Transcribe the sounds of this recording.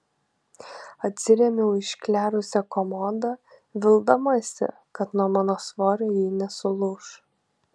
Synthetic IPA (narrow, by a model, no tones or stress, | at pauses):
ɐt̪ʲsʲɪɾʲɛmʲɛʊɪʃʲkʲlʲæːɾʊsʲɛkɔmɔd̪ɐʋʲɪlˠd̪ɐmɐsʲɪ̰ | kɐt̪nuɔmɑːnoːsʋoːɾʲɛːjiːnʲɛsʊlˠʊʃ